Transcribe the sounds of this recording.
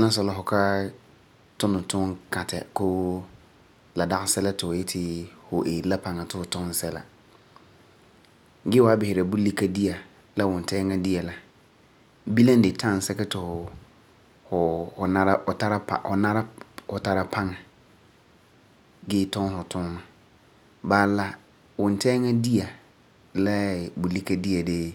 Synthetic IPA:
ɛ˦lã˦sʊ˦la˨ɦʊ˨kʰa˦ | tʰʊ̃˦nʊ̃˨tʰʊ̃˦ŋkʰa˨tʰa̰˨kʰo˦ | la˨da˦ɣsɛ˦la˦tɪ˨ɔ˨jɛ˦tʰɪ˨hʊ˨ʔe˨la˦pʰã˨ŋa˨tʰʊ˦hʊ˨tʰʊ̃˦n˦sɛ˦la̰˨ | ɡɪ˦wɔ˨a˦bɪ˨hɪ˨ɾa˨bu˦li˦kʰa˦di˦a˨ | la˦wʊ̃˨n˨tʰɛː˦ŋã˦di˦a˨la˨ | bi˦lã˦n̩˦dɪ˨tʰã˦˨n̩˨sɛ˦kɪ˦tʰʊ˨hɔ˨ | hɔ˨hɔ˨nã˦ɾa˦ɔ˨tʰa˦ɾa˦pʰa̰˨hɔ˨nã˦ɾa˦hɔ˨tʰa˨ɾa˨pʰã˦ŋ˨ | ɡɪ˦tʰɔ̃˦nhɔ˨tʰʊ̃˦nːʊ̃˨ | baː˦la˦ | wɔ̃˨n˨tʰɛ˦ŋã˦di˦a˨ | lɛ˦˨bʊ˨li˦kʰa˦di˦a˨de˦

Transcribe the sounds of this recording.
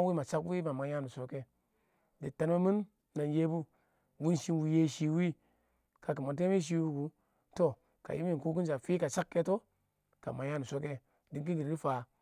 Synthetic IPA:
wi˦ma˨t͡ʃa˦kwi˦ma˨ma˨ja˦nu˨so˨ke˦ | de˨ta˨n˦ma˦mi˦n | na˨nje˦bu˦ | wu˦nʃi˦nwu˨je˦ʃi˦wi˦ | ka˨k̬i˨ma˨t̬e˦mi˦ʃ̬i˦wu˦ku˦ | to˦˨ | ka̰˨ji˦mi˦˨nku˦k̬i˦nt͡ʃa˨fi˦ka˨t͡ʃa˦kːe˦to˦ | ka̰˨ma˨ja˦nu˨so˦ke˦ | di˨˦ki˦ɡi˨ɾɡi˦fa˨

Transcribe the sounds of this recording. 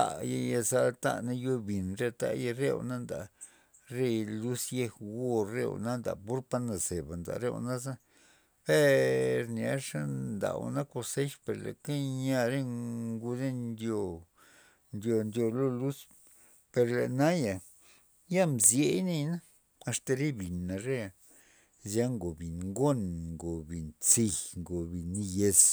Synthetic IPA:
a̰˨ja˧ja˧za˧lt̪a̰˦˧na˦jo˧bi˨nɾe˧t̪a̰˦ja˧ɾe˦w̰na˦nd̪a̰˨ | ɾe˦˧lu˦sje˧xwo˦˧ɾḛ˦˧w̰na˦nd̪a̰˨pu˦ɾpa˧na˨ze˨ba˨nd̪a̰˨ɾḛ˦˧w̰na˦za˦ | be˦ɾnia˨˦ʂa˦nd̪a̰˨w̰na˦ko˧se˦ʃpe˨ɾlḛ˨ke˦ɲa˧ɾe˦ŋɡu˧d̪e˦nnd̪jo˧ | nd̪ʲjo˧nd̪jo˧lo˦lu˦s | pe˧ɾlḛ˨na˦ja˨ | ja˦mzje˨˦jne˧jna˦ | a˧st̪a˧ɾe˦bi˨na˨ɾe˦a˨ | zja˦ŋɡo˨bi˨nŋɡo˦nŋɡo˨bi˨nt͡si˧jŋɡo˨bi˨ni˦je˧s

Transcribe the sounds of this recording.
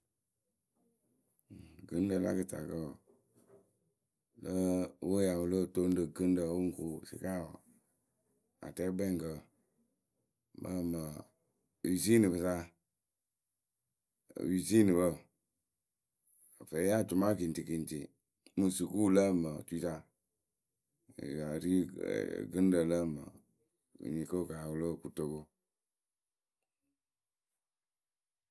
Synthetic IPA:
kɨ˦n˦də˨la̰˦kə˦ta̰˨kə˦˨ | lə˦wo˦ja˨wə˨lə˦˨to˦n˦də˨kə˦n˦də˨˦o˦ŋ̩˦ku˦sḭ˨ka˦˨wɔ˨ | a̰˨tɛ˦bɛ˦˨ŋ˨kə˨ | mʔə̰˦mə˨ | wi˨si˦nɨ˨bə˨sa˦˨ | wi˨si˦nɨ˨bə˦˨ | a˨fe˨˦a˦˨t͡ʃu˨ma˦ki˨n˨ti˨ki˨n˨tḭ˨ | mu˨su˨ku˦lə˦mə˨tu˦i˦ta˦˨ | a˨ɾi˦ɡɨ˦n˦də˨lə˦mə̰˨ | ḭ˨ɲi˨kə˦ka˨wu˨lo˦˨ku˨to˨ko˦

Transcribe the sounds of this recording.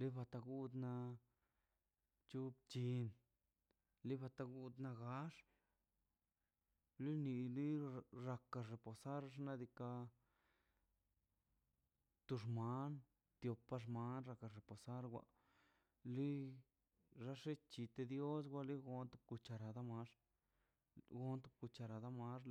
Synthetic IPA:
li˦ba˧t̪a˧ɡu˦d̪na˧ | t͡ʃu˦bt͡ʃi˧n | li˦ba˧t̪a˧ɡu˦d̪na˧ɡa˦ʂ | li˦ni˧li˦ɾa˧ka˧ɾe˨po˨sa˦ɾa˧ʂ̬na˧d̪i˧ka˧ | t̪u˧ʐma˦n | t̪jo˨pa˦˧ʂ̬ma˧˦nɾa˧ka˧ɾe˨po˨sa˦ɾɡʷa̰˧ | li˦ | ɾa˦ʂe˦t͡ʃi˧t̪e˧d̪jo˦s̬ɡʷa˦li˦ɡo˧˦nt̪u˧ku˧t͡ʃa˧ɾa˨d̪a˦ma˧˦ʂ | ɡo˦nt̪u˧ku˧t͡ʃa˧ɾa˨d̪a˦ma˦ʐ

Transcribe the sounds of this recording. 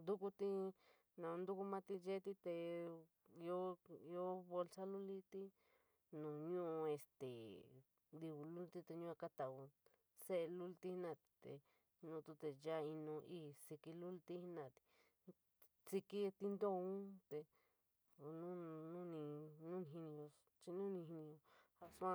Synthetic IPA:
nd̪u˦ku˦t̪i˧ | nã˨ũ˧nd̪u˦ku˦mã˦t̪i˧ʒe˦t̪i˦˧t̪e˧ | i˧o˦i˧o˦βo˧lsa˦lu˦li˦˧t̪i˦ | nũ˨ɲũ˦ʔu˧e˧st̪ḛ˨ | nd̪i˧βu˨lu˦lt̪i˦˧t̪e˧ɲũ˦a˧ka˦t̪a˨u˧ | se˦e˧lu˦lt̪i˦hnã˦˧˨t̪i̥˧t̪ḛ˧ | nũ˧t̪u˧t̪e˧ja˦i˧nũ˧ʔi˦si˧ki˧lu˦lt̪i˦hi˦nã˧˨t̪i̥˧ | t͡si˧ki˦t̪i˦nd̪o˦˧ũ˦t̪e˧ | nũ˦nũ˦nĩ˧nũ˦nĩ˧ɦi˧nĩ˧õ˧ | t͡ʃi˧nũ˦nĩ˧ɦi˧nĩ˧õ˧ha˧su˦ã˦˧

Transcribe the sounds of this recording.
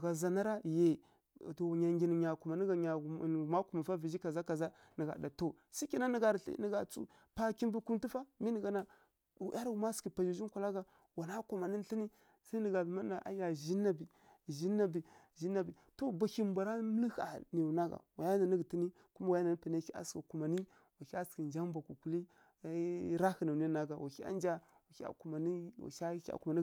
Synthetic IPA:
ɡa˨za˨na˦ɾa˦je˨ | to˨ɲa˨ŋɡʲi˨n˨ɲa˨ku˨ma˨n˦ɡa˨ɲa˨ma˦ku˦ma˨fa˦vi˨d͡ʒi˦ka˨za˦ka˨za˦ | nə˨ɡa̰˨da˨to˦˨ | si˦kʲi˦˨na˦nə˨ɡa˨ɾɬnə˨ɡa˨t͡sṵ˦ | pa˦ki˦n˦bu˦ku˦mti˦fa˦mi˦nə˨ɡa˨na˨ | ʔa˦ɾɡu˨ma˦ski˨pa˨d͡ʒi˨ʒi˦kʷa˨la˦ɡa˨ | wa˨na˦ku˨ma˨ni˦ɬi˦ni˦ | sa˦nə˨ɡa˨bma˦a˨ʔa̰˨˦ja˨ʒi˦nːa˨bi˨ | ʒi˦nːa˨bi˨ | ʒi˦nːa˨bi˨to˦ba˨ki˦m˦bʷa˨ɾa˦mə˦li˦ha̰˨ni˨na˦ɡa̰˨wa˨ja˦na˨ni˦ɡti˦ni˦ | ku˦ma˦wa˨ja˦na˨ni˦pə˨na˦ki˦a̰˨ski˨ku˨ma˨ni˦ | wa˨ki˦a˦ski˨nd͡ʒa˦mba˨ku˨ku˨li˦ | ɾa˦hə˨na˨i˦na˦ɡa˨wa̰˨ki˦a̰˦nd͡ʒa˦ | wa˨i˦a̰˨ku˨ma˨ni˦wa̰˨˦a˦a̰˨ku˨ma˨ni˦

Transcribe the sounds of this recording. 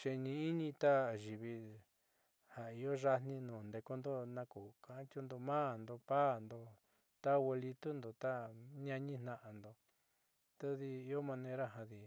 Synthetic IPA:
t͡ʃe˧ɲĩ˧i˦ɲĩ˧t̪a˦ʒi˨βi˧ | ha˨i˧jo˦ʒa˦n̥nĩ˧nũː˨nd̪e˧ko˧nd̪o˦nã˧ku˨kã˨˦t͡ʃu˦nd̪o˧mã˦˨nd̪o˧pa˦˨nd̪o˧ | t̪a˦we˧li˧t̪u˦nd̪o˨t̪a˦ɲã˧ɲĩ˦n̥ã˧ʔa˨nd̪o˧ | t̪a˦ði˧i˧jo˦mã˧nẽ˧ɾa˦ɦa˧ði˧

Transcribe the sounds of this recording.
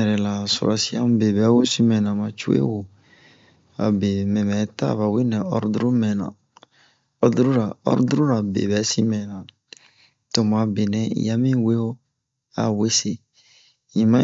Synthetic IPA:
ɛ˨ɾɛ˨la˨so̰˨ɾa˨si˦a̰˦m˦be˨bɛ˨˦wo˦si˦mɛ̃˨nã˨mã˨t͡ʃu˦ḛ˦wo˨ | a̰˨be˨mɛ̃˨mɛ˨˦ta̰˦˨βa˨wi˦nɛ̃˨ɔ˦ɾdu˦ɾu˦mɛ̃˨nã̰˨ | ɔ˦du˦ɾu˦ɾa˨ɔ̰˦ɾdu˦ɾu˦ɾa˨bḛ˨bɛ˨˦si˦mɛ̃˨nã˨ | to˨mã˨˦be˨nɛ̰̃˨˦˨ja˦mĩ˦we˦o˦ | a̰˨we˦se˦ | ɲĩ˨mã˦

